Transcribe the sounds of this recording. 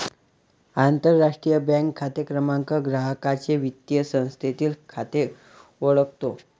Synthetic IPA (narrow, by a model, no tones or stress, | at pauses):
ant̪əɾːaʂʈɾijəbɛ̃ŋkʰːat̪jəkɾəmaŋkəɡɾaɦəkat͡seʋit̪jəsə̃w̃st̪ʰet̪iːlkʰat̪e | oɭəkt̪o